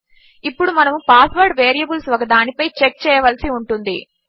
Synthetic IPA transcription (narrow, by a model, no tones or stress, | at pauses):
ipːuɽumɐnɐmupaːsʋɐɾɖʋeːɾijɐbulsʋɐɡɐd̪aːnipɐjt͡ʃek̚t͡ʃɛːjɐʋɐlɐsiuɳʈund̪i